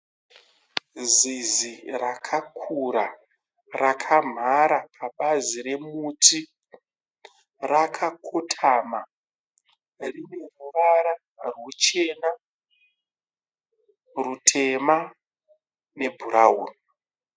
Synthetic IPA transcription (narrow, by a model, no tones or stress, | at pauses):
zizirakʰakʰuɾa | rakʰam̤ʱaɾapʰaɓazire̞mutʰi | rakʰakʰotʰama | rine̞ruʋaɾa | rwut͡ʃe̞na | rutʰe̞ma | ne̞bʱuɾaɦṵːni